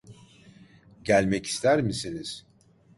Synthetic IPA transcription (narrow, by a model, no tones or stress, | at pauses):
ɟælʲmɛci̥st̪ʰæɾmisiniz̥